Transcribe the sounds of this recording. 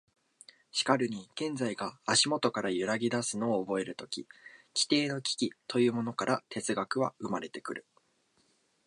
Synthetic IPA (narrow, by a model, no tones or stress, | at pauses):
ɕi̥kaɾɯ̟ɲ̟iɡ̥ẽ̞nd͡zaiɡaːɕimo̞t̪o̞kaɾajɯ̟ɾaɡʲid̪asɨno̞ːbo̞e̞ɾɯ̟t̪o̞kʲikʲi̥t̪e̞ːno̞kʲi̥kʲit̪o̞jɯ̟ːmo̞no̞kaɾʔat̪ʰe̞t͡sɨɡakɯ̟βaɯ̟maɾe̞t̪e̞kɯ̟ɾɯ̟